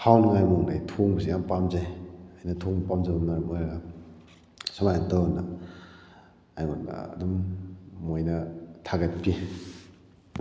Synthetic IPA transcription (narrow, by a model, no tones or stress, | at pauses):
hawlŋajmoŋnajtʰoŋbɐsijanpamzajajnɐtʰoŋpamzabɐmnaɾmojɾɐɡa | samajntɔna | ajŋonba̰ɐ̰dumː | ojnɐtʰaɡɐt̚pi